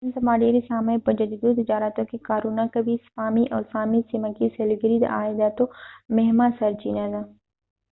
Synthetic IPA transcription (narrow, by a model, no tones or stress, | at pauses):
nsɐmaːɖiɾisaːmepɐd͡ʒəd͡ʒd̪ut̪ɪd͡ʒaːɾat̪õkekaːɾuːnakɐbʱispaːmiʔɔ̰ːɾsaːmisimakiselɡəɾid̪̰ʔa̰ːjd̪at̪omeɦmasɐɾt͡ʃḭːnaza